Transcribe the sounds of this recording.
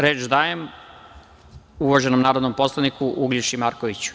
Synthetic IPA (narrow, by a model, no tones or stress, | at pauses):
ɾeːt͡ʃd̪aːjem | uʋaʒenomnaːɾod̪nompo̞slˠanikuʔuɡlʲiʃimaːɾkoʋit͡ɕu̥